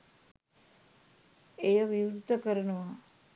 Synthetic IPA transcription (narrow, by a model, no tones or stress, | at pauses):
ejəʋiʋuɾd̪ʱːəkəɾənəʋa